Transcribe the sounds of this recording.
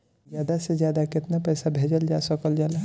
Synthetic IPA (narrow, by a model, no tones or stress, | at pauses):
zjaːd̪asezjaːd̪akɪt̪napɛːsabʱeːd͡ʒəld͡ʒaːsəkəld͡ʒaːla